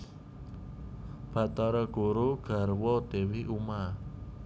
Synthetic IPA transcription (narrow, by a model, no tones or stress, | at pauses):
b̥a̤t̪aɾɔɡ̥o̤ɾuɡ̥a̤rwɔd̪̥e̤wiʔuma